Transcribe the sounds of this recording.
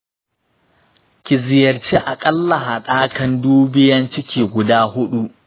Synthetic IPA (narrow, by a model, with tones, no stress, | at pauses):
kʲɪ˨zɪ˨jɐ˨rt͡ʃeː˦ʔa˨kʼɐ˦lːɐ˨ɦaː˨ɗaː˦kɐ˨nduː˦bɪ˦jɐ˦nt͡ʃɪ˦kʲiː˨ɡʷʊ˨daː˦hʊ˦ɗu˦ʔ